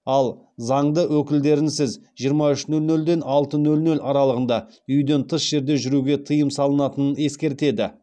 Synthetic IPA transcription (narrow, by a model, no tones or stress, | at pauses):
ɑlˠ | zɑɴd̪əwɵkʲɪld̪e̞ɾɪnsɪzʒijəɾmɑʏʃnɵlnɵld̪e̞nɑlˠt̪ənɵlnɵlɑɾɑlˠəʁənd̪ɑ | ʏjd̪e̞nt̪ʰəsʒ̥e̞ɾd̪e̞ʒʏɾuɡʲe̞t̪ʰəjəmsɑlˠənɑt̪ənəne̞skʲe̞ɾt̪e̞d̪ɪ